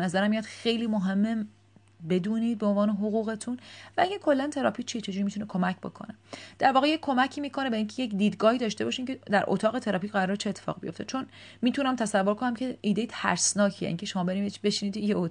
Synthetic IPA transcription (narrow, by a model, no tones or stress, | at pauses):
næzæɾæmːijɒːd̪xe̞jliːmoɦe̞mːe | be̞d̪uːniːd̪̚beonvɒːneɦoɣuːɣe̞t̪ʰunvææɡækʰo̞lːænt̪ʰe̞ɾɒːpʰict͡ʃʰiːt͡ʃʰe̞d͡ʒuːɾimit̪unekʰo̞mæcʰbo̞̰kʰo̞̰ned̪̥æɾvɒːɣejekkʰːo̞mæcʰiːmiːkʰo̞ne̞beiŋcʰejecd̪iːd̪ɡɒːhiːd̪ɒːʃt̪e̞bɒːʃiːmced̪æɾʔo̰t̪ʰɒːɣe̞t̪ʰeɾɒːpiːcɢæɾɒːɾet͡ʃʰeeːt̪ʰːe̥fɒ̰ːʁibijo̞̰ft̪et͡ʃʰo̞n | miːt̪ʰunæmt̪ʰæsævːo̞ɾkʰonæmcʰeʔiːd̪ejet̪ʰæ̰ɾsnɒːcʰieʔḭːŋcʰeʃo̞mɒːbe̞ɾiːmebe̞ʃinit̪ʰijeo